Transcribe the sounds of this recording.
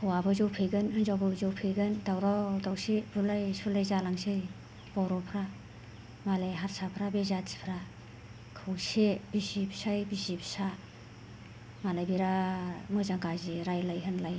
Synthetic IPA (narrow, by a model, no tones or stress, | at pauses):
kʰɯwabɯzɔwpʰɯjɡɯnɯnzawbɯzɔwpʰɯjɡɯndawɾawdawsebulajsulajzalaŋsɯj | b̥ɔɾɔpʰɾa | malajɦaɾsapʰɾabezatsi̥pʰɾa | kʰɯwsebisibsajbisibsa | malajbiɾamɯzaŋɡaziɾajlajɦɯnlaj